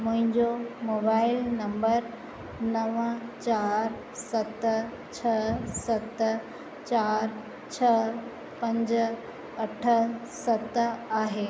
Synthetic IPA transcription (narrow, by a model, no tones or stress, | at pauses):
mʊ̃ɦɪ̃ɲd͡ʑomoːbaːɪlnɐ̃mbəɾ | nɐʋət͡ɕaːɾ | sɐt̪ | t͡ɕʰɐsɐt̪ | t͡ɕaːɾ | t͡ɕʰɐ | pɐ̃ɲd͡ʑ | ɐʈʰəsɐt̪aːɦe